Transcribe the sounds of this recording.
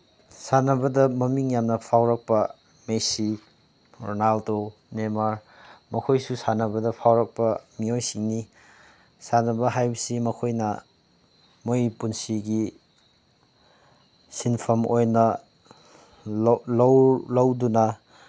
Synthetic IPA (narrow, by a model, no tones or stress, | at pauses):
sanɐbɐdɐmɐmiŋjamnɐpʰawɾɐk̚pɐ | mesi | ɾonaldo | nemaɾ | mɐkʰojsusanɐbɐdɐpʰawɾɐk̚pɐmiojsiŋni | sanɐbɐɦajbɐsimɐkʰojnɐ | mojipunsiɡi | sinpʰɐmojnɐ | llwlɐwdunɐ